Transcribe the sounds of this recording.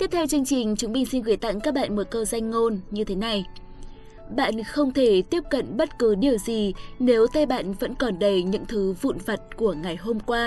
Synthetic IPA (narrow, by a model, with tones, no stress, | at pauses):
t̪i˦˥p̚t̪ʰɛ˧wt͡ɕɨ˧əŋt͡ɕï˨˩ŋ̟t͡ɕʊ˨˦ŋ͡mɓï˧˩ŋ̟si˧nɣɨ˨˧˩əjt̪a̰˧˨ŋkaː˦˥k̚ɓa̰ː˧˨nmo˨˩t̚kəː˧za˧jŋ̟ŋo˧nɲɨ˧t̪ʰe˨˦na˨˩j | ɓa̰ː˧˨nxə˧wŋ͡mt̪ʰe˧˩t̪i˦˥əp̚kə̰˧˨nɓə˦˥t̚kɨ˨˦ɗi˨˩əwzi˨˩ne˨˦wt̪ə˧jɓa̰ː˧˨nvə̰˧˥nkɔ˨˩nɗə˨˩jɲɨ̰˧˥ŋt̪ʰɨ˨˦vṵ˧˨nvə˨˩t̚ku˧˩əŋa˨˩jɦo˧mkwaː˧